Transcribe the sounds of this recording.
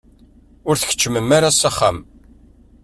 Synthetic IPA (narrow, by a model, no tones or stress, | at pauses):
ʊɾθə̥çə̥t͡ʃːəməmːaɾasaχːa̰m